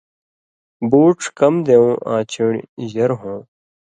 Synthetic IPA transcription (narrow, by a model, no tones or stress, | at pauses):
buːʈkɐmd̪eːũːʔã̰ːt͡ɕiɳjɐɾɦõː